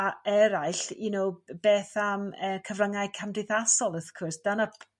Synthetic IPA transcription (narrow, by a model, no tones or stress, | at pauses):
aɛɾaɨɬḭnowb̥eːθaməkʰəvraŋajkʰamdɪθasɔlˠəθkʰʊrsd̥ana